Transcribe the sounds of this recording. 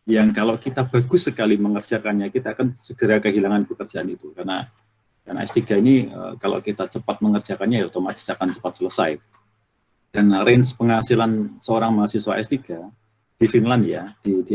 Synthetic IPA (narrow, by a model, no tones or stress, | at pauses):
jaŋkalawkit̪ab̥aɡʊsːəkaliməŋərd͡ʒakanɲakit̪aːkansəɡ̥əɾakəɦilaŋanpəkərd͡ʒaʔanit̪ukarna | karna̰ɛ̰st̪iɡainiə̰kala̰kit̪at͡ʃəpat̪̚məŋərd͡ʒakanɲaiat̪amat͡ʃi̥t͡ʃakant͡ʃə̥pat̪̚sələsaj | d̥anrɛnspəŋhasilansəoɾaŋmaasiswaɛst̪iɡ̥a | d̥ifinlandjad̥idi